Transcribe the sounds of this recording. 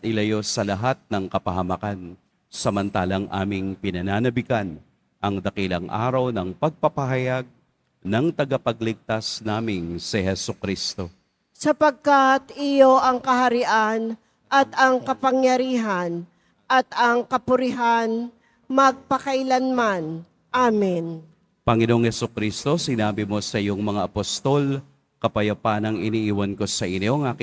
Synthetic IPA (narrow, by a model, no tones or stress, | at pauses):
ʔɪlɐjo̞sɐlɐɦat̪̚nɐŋkɐpɐɦɐmɐkan | sɐmɐnt̪aːlɐŋʔa̰ːmɪŋpɪnɐnaːnɐbɪkan | ʔɐŋd̪ɐkilɐ̰ŋʔa̰ːɾɐwnɐŋpɐɡ̚pɐpɐɦɐjaɡ̚ | nɐŋt̪ɐɡapɐɡ̚lɪɡ̚t̪asnaːmɪnsɛhɛsokɾist̪o̞ | sɐpɐɡ̚kat̪ɪjoʔɐŋkɐɦɐɾɪʔan | ʔɐt̪ɐŋkɐpɐŋjɐɾiːɦan | ʔɐt̪ɐŋkɐpʊɾɪɦan | mɐɡ̚pɐkɐjlanman | ʔaːmɪn | pɐŋɪnoʔoŋhɛsʊkɾist̪o̞sɪnaːbɪmo̞sɐjoŋmɐŋaʔɐpost̪ol | kɐpɐjɐpaːnɐŋɪniʔiːwɐnko̞sɐʔɪnoŋʔaːkɪ